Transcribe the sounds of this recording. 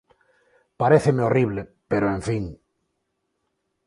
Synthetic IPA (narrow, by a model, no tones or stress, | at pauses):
paɾeθemeoriβ̞lepeɾoẽɱfiŋ